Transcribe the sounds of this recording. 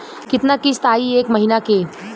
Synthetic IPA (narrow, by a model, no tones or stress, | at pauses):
kɪt̪nakist̪aːieːkmɐɦinakeː